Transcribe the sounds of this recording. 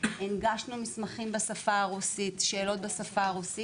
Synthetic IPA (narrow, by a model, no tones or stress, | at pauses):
inɡaʃnumismaχimbasafaːʁusitʃe̞ːlo̞t̚besafaːʁusi